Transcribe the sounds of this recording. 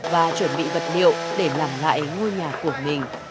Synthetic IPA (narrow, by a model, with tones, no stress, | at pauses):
vaː˨˩t͡ɕwə˧˩nɓḭ˧˨və˨˩t̚ɗḭ˧˨əwɗe˧˩laː˨˩mla̰ː˧˨jŋo˧jɲaː˨˩ku˧˩əmï˨˩ŋ̟